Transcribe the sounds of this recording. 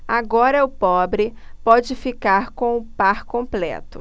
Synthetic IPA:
aɡɔɾɐʊpɔbɾɪpɔd͡ʒɪfikaɾkõw̃ʊpaɾkõplɛ̰t̪ʊ̰

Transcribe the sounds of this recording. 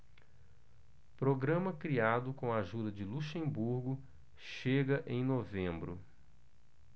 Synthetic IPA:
pɾoɡɾɐ̃mɐkɾiad̪ʊkõɐaʒud̪ɐd͡ʒɪluʃẽmbuɾɡʊ | ʃeɡɐʔẽj̃novẽmbɾʊ̰

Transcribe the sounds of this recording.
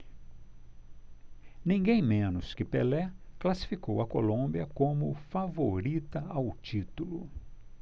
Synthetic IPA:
nĩɡẽj̃mẽnʊskɪpḛlɛklasi̥fikowɐkolõmbiɐkõmʊfavoɾit̪ɐawt͡ʃit̪ulʊ

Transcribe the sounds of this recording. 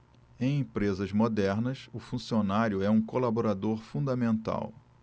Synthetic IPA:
ẽj̃ẽpɾezɐzmod̪ɛɾnɐsʊfũsionaɾjʊɛũkolaboɾad̪oɾfũd̪ɐmẽnt̪a̰w

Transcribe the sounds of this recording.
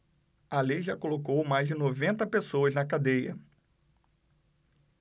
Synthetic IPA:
alejʒakolokowmajzd͡ʒɪnovẽnt̪ɐpesoɐznɐkad̪ejɐ

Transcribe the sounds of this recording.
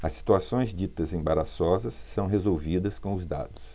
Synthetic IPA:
ɐsːi̥t̪uasõj̃zd͡ʒit̪ɐzẽj̃baɾasɔzɐsːɐ̃w̃ɦezowvid̪ɐskõʊzd̪a̰d̪ʊs

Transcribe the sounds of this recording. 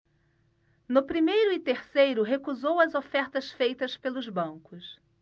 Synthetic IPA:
nʊpɾimejɾʊɪt̪eɾsejɾʊɦekuzowɐzofɛɾt̪ɐsfejt̪ɐspelʊzbɐ̃kʊs

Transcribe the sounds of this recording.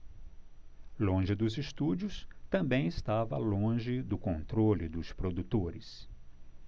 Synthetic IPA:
lõʒɪd̪ʊzɪst̪ud͡ʒʊst̪ɐ̃mbẽj̃ɪst̪avɐlõʒɪd̪ʊkõnt̪ɾolɪd̪ʊspɾod̪ut̪oɾɪs

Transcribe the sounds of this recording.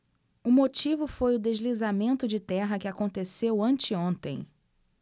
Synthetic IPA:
ʊmot͡ʃivʊfojʊd̪ezlizamẽnt̪ʊd͡ʒɪt̪ɛɦɐkɪakõnt̪esewɐ̃nt͡ʃɪõnt̪ḛ̃j̃

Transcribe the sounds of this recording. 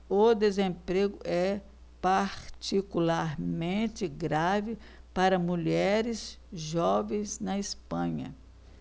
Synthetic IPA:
od̪ezẽpɾeɡʊʔɛ | paɾt͡ʃikulaɾmẽnt̪ɪɡɾavɪ | paɾɐmuʎɛɾɪs | ʒɔvẽj̃snɐispɐ̃ɲɐ̰

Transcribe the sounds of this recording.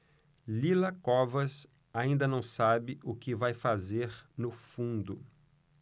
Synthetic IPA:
lilɐkɔvɐs | aĩnd̪ɐnɐ̃w̃sabɪʔʊkɪvajfazeɾnʊfũnd̪ʊ

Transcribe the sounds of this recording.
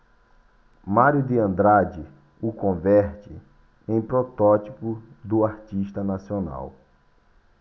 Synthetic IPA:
maɾjʊd̪ɪɐ̃nd̪ɾad͡ʒɪ | ʊkõvɛɾt͡ʃ̪ɪ | ẽj̃pɾot̪ɔt͡ʃ̪ipʊ | d̪ʊaɾt͡ʃiʃt̪ɐnasiona̰w

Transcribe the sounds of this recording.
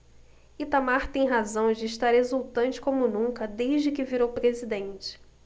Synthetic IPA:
it̪amaɾt̪ẽj̃ɦazɐ̃w̃d͡ʒɪːʃt̪aɾhezuwt̪ɐ̃nt͡ʃɪ̥kõmʊnũŋkɐd̪ejʒd͡ʒɪkɪviɾowpɾezid̪ẽnt͡ʃɪ̥

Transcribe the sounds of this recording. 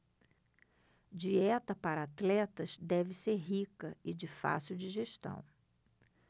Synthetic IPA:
d͡ʒiɛt̪ɐpaɾɐat̪lɛt̪ɐzd̪ɛvɪseɾɦikɐɪd͡ʒɪfa̰siuwd͡ʒiʒeʃt̪ɐ̰̃w̃

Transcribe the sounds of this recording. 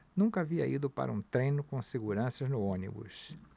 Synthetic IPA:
nũkɐaviɐ̰id̪ʊpa̰ɾɐũt̪ɾẽjnʊkõseɡuɾɐ̃sɐznʊõnḭbṵs

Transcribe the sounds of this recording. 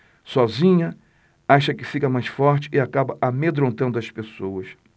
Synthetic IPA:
sɔzĩɲɐ | aʃɐkɪfikɐmajsfɔɾt͡ʃɪ̥ʔɪakabɐʔamed̪ɾõnt̪ɐ̃nd̪ʊɐspesowɐs

